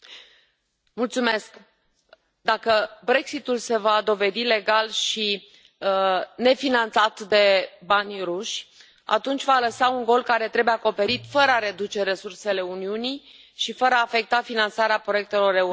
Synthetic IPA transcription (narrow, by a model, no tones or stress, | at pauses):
mult̪sume̞sk | d̪akəbɾe̞ksit̪ulse̞vad̪o̞ve̞d̪ile̞ɡalʃi | ne̞finant̪sat̪d̪e̞banʲruʃʲ | a̰t̪unt͡ʃʲvaləsauŋɡo̞lkaɾe̞t̪ɾe̞beako̞pe̞ɾit̪fəɾəaɾe̞d̪ut͡ʃe̞ɾe̞surse̞le̞uniunij | ʃifəɾəaːfe̞k̚t̪afinant̪saɾeapɾojek̚t̪e̞lo̞ɾe̞u